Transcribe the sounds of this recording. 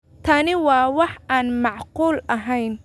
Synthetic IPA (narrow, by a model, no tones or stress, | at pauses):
t̪ʰɐnɪwɑːwɑħʔaːnmɑʕquːlɐɦɛjn